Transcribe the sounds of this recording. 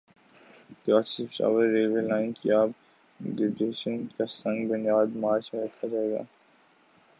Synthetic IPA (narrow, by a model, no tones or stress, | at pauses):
kaːt͡ʃsɪfʈa̰ːʋəɾːeːʋəllaːɪnkiaːb | dɪbɾeːʃə̃nkasɐ̃ŋɡbʊnjaːd̪maːɾt͡ʃmeɾɐkʰad͡ʒaːeːɡa̰ː